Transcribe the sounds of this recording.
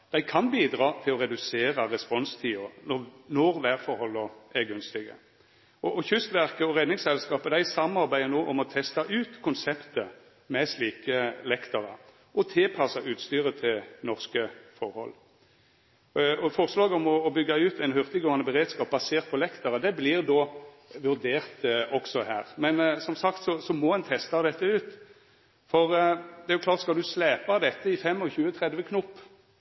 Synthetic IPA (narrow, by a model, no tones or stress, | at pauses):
d̪̥æɪkʰɑnbiːd̪ʁɑːt̪ʰɪlɔʁɛd̪ʉseːʁəʁɛspɔnst̪ʰiːɔnɔnɔɾʋæʁfɔɾhɔlːɔæʁɡʉnst̪ɪɡə̰ | ɔʔɔçʏst̪ʋæʁkəɔʁɛd̪nɪŋsɛlskɑːpəd̪æɪsɑmɑɾbæɪənoːʔɔmɔt̪ʰɛst̪ɑʔʉːt̪kʰʊnsɛpt̪ə | mɛsliːkəlɛkt̪ɑʁə | ʔɔt̪ʰɪlpʰɑsɑʔʉːt̪st̪yːʁət̪ʰɪlnɔʁskəfɔʁhɔ̰l | ɔfɔʁəslɑːɡɔmɔːbʏɡːɑʉːt̪æɪnhœʁt̪əɡoːɑnəbəʁeːd̪skɑːp̚bɑseːʁt̪pʰɔlɛkt̪ɑʁəd̪ɛblɪʁd̪oː | ʋʉʁd̪eːʁt̪ɔksɔhæːʁmɛnsɔmsɑkt̪sɔsɔmɔɛnt̪ʰɛst̪ɑd̪ɛt̪ːəʉːt̪ | fɔʁd̪ɛæɾʁjʊkʰlɑːʁt̪skɑld̪ʉslɛːpɑd̪ɛt̪ːəɪfɛmːɔçʉːət̪ʰʁɛd̪ʋəkʰnʊpː